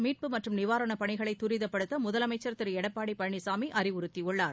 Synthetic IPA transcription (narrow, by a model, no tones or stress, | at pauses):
miːʈ̚pɯmɐʈrɯmnɪʋaːɾɐɳɐpɐɳɪɣɐɭɐɪt̪ːʊɾɪðɐpːɐɽɯt̪ːɐmʊðɐlɐmɐɪt͡ʃːɐɾt̪ːɪɾɛɽɐpːaːɽipɐɻɳisaːmiʔʔɐɾɪʋʊɾɯt̪ːiʊɭːaːɾ